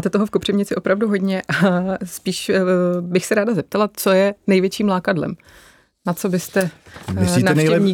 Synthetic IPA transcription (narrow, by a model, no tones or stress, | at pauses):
aːt̪ɛt̪oɦofkopr̥ɛvɲɪt͡sɪʔo̞pɾavduɦo̞dɲɛʔaspiːʃbɪxsɛɾaːdazɛp̚t̪alat͡so̞jɛnɛjvjɛt͡ʃiːmlaːkadlɛ̰m | nat͡so̞bɪst̪ɛ | inaɛnjɛvɲiː